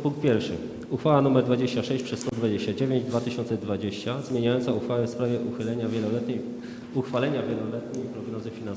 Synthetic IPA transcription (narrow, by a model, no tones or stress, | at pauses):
puŋk̚t̪̚pʲjɛɾfʂɘ̰ | uxfawanumɛɾd̪vad͡ʑeɕt͡ɕaʂɛɕt͡ɕpʂɛsst̪ɔd̪vad͡ʑeɕt͡ɕad͡ʑevʲjeɲd͡ʑd̪vat̪ɘɕɔnt̪sɛd̪vad͡ʑeɕt͡ɕazmʲeɲajɔntsauxfawɛfspɾavʲjɛʔuxɘlɛɲavʲjɛlɔlɛt̪ɲɛ | uxfalɛɲavʲjɛlɔlɛt̪ɲejpɾɔɡnɔzɘfʲinans